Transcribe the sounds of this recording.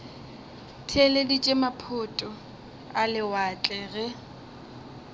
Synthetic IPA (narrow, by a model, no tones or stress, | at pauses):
tʰeledit͡ʃʼemapʰʊtʼɔ | alɪwat͡ɬʼɛɣɛ